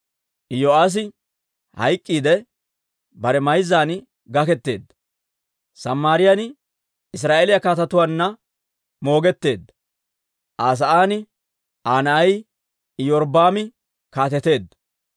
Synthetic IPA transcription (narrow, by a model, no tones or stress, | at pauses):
ʔɪjoaːs̬ɪ | hɐ̰jkʼːiːd̪ɛ | bɐɾɛmɐjzːaːn | ɡɐkɛt̪ːe̞ːd̪ːɐ̥ | sɐmːaːɾɪjan | ɪs̬ɾaːʔelɪjakaːt̪ɐt̪ʊwaːnːɐ | mo̞ːɡɛt̪ːe̞ːd̪ːɐ̥ | ʔaːs̬ɐʔaːnɪ | ʔaːnɐɐj | jɔɾbaːmɪ | kaːt̪ɛt̪e̞ːd̪ːɐ̥